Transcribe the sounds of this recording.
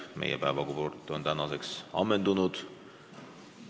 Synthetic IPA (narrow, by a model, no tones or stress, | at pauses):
mʔḛjepæevɑkuport̪ːˑont̪ænɑseksɑ̰mːend̪unud̪̥